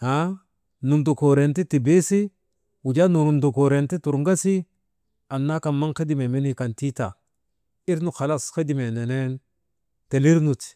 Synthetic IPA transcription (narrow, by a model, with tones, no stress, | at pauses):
a˨˦ | nu˨ndu˨ko˨ɾe˨nti˦ti˨be˦si˦ | wu˨d͡ʒa˦nu˨nu˨ndu˨ko˨ɾe˨nti˦tu˨ɾŋɡa˦si˦ | a˨nːa˦ka˨nma˦ŋke˦di˨me˨mi˦ni˦˨ka˨nti˦ta̰˨ | i˦ɾnu˨xa˨la˦ske˦di˨me˨ne˨ne˦n | te˨li˦ɾnu˨t